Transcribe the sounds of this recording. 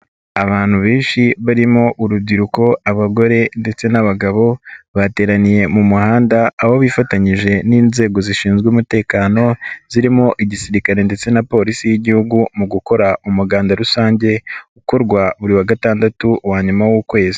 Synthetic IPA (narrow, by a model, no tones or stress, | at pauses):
aβaːn̥huβeːnʃiβaɾimo̞ʔuɾub̚ɟiɾuko̞aβaɡo̞ɾe̞nde̞t͡se̞naβaɡaβo̞βate̞ːɾanije̞mumuhaːndaːho̞βifataɲiʒe̞niːnze̞ːɡo̞ziʃiːnzɡwumute̞ːkaːno̞ziɾimo̞ʔiɟisiɾikaɾe̞nde̞t͡se̞napo̞ːɾisijiɟihuɡumuɡuko̞ɾaumuɡaːndaɾusaːɲɟe̞uko̞ɾɡwaβuɾiwaɡataːndatuwaːɲumawukwe̞ːzi̥